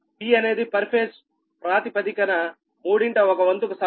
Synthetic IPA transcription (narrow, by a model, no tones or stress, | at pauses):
piːɐne̞ːd̪ipɐɾpʰes | pɾaːt̪ipɐt̪ikɐnɐ | muːɽiɳʈɐɔkɐʋɐnt̪ukusɐ